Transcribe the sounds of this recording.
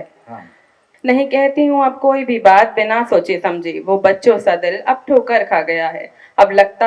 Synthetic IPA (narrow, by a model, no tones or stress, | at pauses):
nɐɦĩkɛɦt̪iɦũɐb̚koːibʱibaːt̪̚bɪnasoːt͡ʃesɐ̃md͡ʒʱeːʋobɐtːʃõsɐd̪ɪlɐb̚ʈʰoːkəɾkʰaɡɐjaɦɛ̰ː | ɐblɐɡ̚t̪a